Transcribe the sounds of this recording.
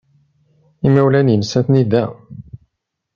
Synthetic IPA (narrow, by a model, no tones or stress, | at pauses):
imæwlænjənəsæθnid̪æ